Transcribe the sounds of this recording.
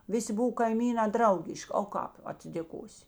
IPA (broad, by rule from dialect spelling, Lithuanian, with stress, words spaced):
ˈʋʲɪˌsʲɪ ˈbʊw kɐɪˈmʲiːnɑː ˈdrɐʊɡʲɪʃʲkʲ oː ˈkɑːp ɐtʲsʲɪdʲeːˈkoːsʲɪ